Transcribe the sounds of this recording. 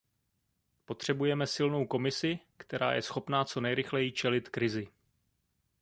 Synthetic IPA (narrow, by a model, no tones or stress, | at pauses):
po̞t̪r̝̥ɛbujɛmɛsɪlno̞wko̞mɪsɪ | kt̪ɛɾʔa̰ːjɛ̰sxo̞pnaːt͡so̞nɛjɾɪxlɛjit͡ʃɛlɪt̪kɾɪzɪ